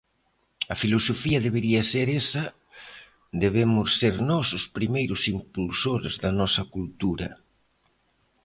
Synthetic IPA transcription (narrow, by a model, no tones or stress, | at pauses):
ɐfilosofiɐðeβeɾiɐseɾesɐ | d̪eβ̞emʊsːeɾnɔsʊspɾimejɾʊsimpulsoɾezðɐnɔsɐkult̪uɾɐ̰